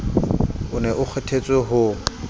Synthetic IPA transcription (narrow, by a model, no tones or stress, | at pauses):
ʊnɛʔʊk͡xʰɛtʰet͡sʼɪɦʊ